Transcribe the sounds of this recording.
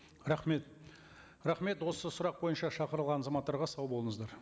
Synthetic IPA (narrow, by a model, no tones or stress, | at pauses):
ɾɑχme̞t̪ | ɾɑχme̞t̪wo̞səsʊɾɑq̚bo̞jənʃɑʃɑqəɾəlˠʁɑnɑzɑmɑt̪ːɑɾʁɑsɑwbolˠəɴəzd̪ɑɾ